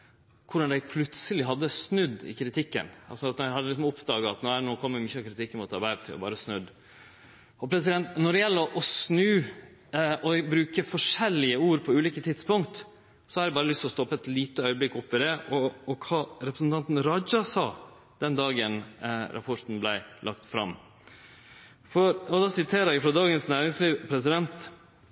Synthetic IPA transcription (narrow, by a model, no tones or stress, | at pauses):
kʰʊɖɑnd̪æɪpʰlʉt̪səlɪɦɑd̪ːəsnʉd̪ːɪ̰kʰɾɪt̪ʰɪkːə̰nɑlsɔɑt̪næhɑd̪əlɪks̬ɔmʊpd̪ɑːɡɑɑt̪nænoːkʰɔmːəɾmyçəɑkʰɾɪt̪ʰɪkːmuːt̪ɑɾbæɪɾət̪ʰɪ̰ɔ̰bɑ̰ːɾəsnʉd̪ | ɔpʰɾɛsɪd̪ɛnt̪nɔɖɛjɛlːəʔɔsnʉː | ɔbɾʉːkəfɔʂɛlːɪəuːɾpʰɔʉːliːkət̪ʰɪd̪spʊŋkt̪ | sɔhɑɾɛbɑːɾəlʏst̪ɔst̪ɔpːəɛt̪liːt̪əœʏəblɪkːʊpːʋɪd̪ɛʔɔːkʰɑːɾɛpɾəsn̩t̪ɑnt̪n̩ɾɑd͡ʒɑsɑː | d̪̥ɛnd̪ɑːɡənɾʔɑ̰pʰɔɾt̪n̩blæɪlʔɑkt̪fɾɑ̰m | fɔɾɔd̪ɑːsɪt̪ʰeːɾəɾɛfɾɑd̪ɑːɡənsnæːɾɪŋsliːʋpʰɾɛsɪd̪ɛnt̪